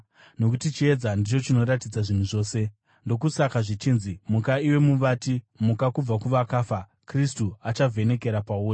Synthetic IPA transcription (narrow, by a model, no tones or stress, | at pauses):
no̞kutit͡ʃie̞d͡zandit͡ʃo̞t͡ʃino̞ɾatid͡zaʐin̤uʐo̞ːse̞ | ndo̞k̬usakaʐit͡ʃiːnzimukaiwe̞muʋati | mukakub͡vakuʋakaːfa | kristuat͡ʃavʱe̞ne̞ke̞ɾapauːra